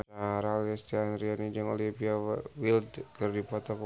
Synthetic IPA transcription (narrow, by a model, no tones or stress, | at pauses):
aɾalɛst̪ianɾianid͡ʒaŋo̰lipiawildkərdipɔt̪ɔk